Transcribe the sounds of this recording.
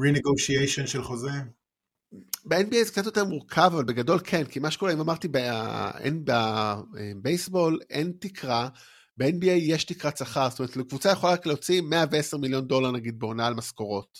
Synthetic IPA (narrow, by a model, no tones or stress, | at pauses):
ʁineɡoʃiejʃonʃelχoze | beenbiejzek̚t͡satjo̞t̪̬e̞muʁkʰavavalbe̞ɡado̞lkʰenkimaʃe̥kulaimamaʁt̪ibeḛnbaebejsbo̞lḛntikʰʁa | beenbiejːeʃtikʁasaχaʁstomeetlekvut͡sajeχolaʁakleot͡simeaveeseʁmiljo̞ndo̞laʁnaɡid̪̚beonaːlmasko̞ʁo̞t